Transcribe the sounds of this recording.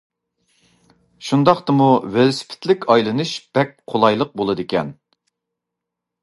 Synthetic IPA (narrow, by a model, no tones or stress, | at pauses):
ʃund̪ɑχt̪ɨmuwølsɪ̥pʰɪ̥t̪ʰlɪkʲʰɑjlˠɨnɨʃb̥ɛk̚ʲqʰolˠɑjlˠəq̚bolˠɨd̪ɪkʲɛn